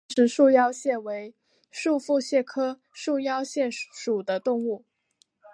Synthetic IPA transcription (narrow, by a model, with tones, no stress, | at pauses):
ʂɻ̩˧˥ʂu˥˧jɑ˥ʊɕjɛ˥˩nwe˧˥ɪ | ʂu˥˧fu˥˧ɕjɛ˥˩kʰɤ˥ | ʂu˥˩jɑ˥ʊɕjɛ˥˩nʂu˨˩d̪ə˦t̪ʊ˥˧ŋu˥˩